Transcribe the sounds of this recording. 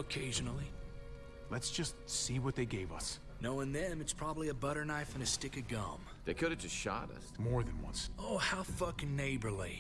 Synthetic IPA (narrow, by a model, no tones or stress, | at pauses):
əkʰeɪʒɨnl̩ˠi | lɨtsd̥ʒ̥ʌstsiwʌt̪̚ðeɪɡeɪvʌ̰s | noʊɨ̃nðɨ̃mɨtspʰɹ̥ɑbəbliɨbʌɾə˞naɪfɨ̃nɨstɪkɨɡʌ̰̃m | ðeɪkʰʊɾɨvd͡ʒʌstʃɑ̰ɾə̰smɔɹðɨ̃nwʌ̰̃nsoʊhaʊfʌkneɪbə˞li